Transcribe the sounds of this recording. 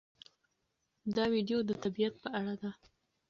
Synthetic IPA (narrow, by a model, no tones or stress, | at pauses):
d̪ɑwiɖjod̪ət̪abijat̪̚pəaɽad̪a